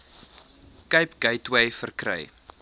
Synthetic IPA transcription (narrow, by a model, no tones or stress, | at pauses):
kəjpɡ̥ɐjtwəjfərkrɐ̰j